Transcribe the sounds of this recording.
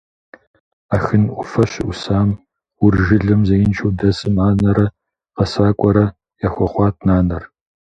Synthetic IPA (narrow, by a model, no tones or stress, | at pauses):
aːxɨnʔʷʊfɐɕʊsaːm | wʊrʒɪɮɨmzɐjɪnt͡ʃʰɐwdɐsɨmaːnɐɾɐ | qɐsaːkʷʼɔɾɐ | jaxʷɔχʷɑːt̚ʰʼnaːnɐr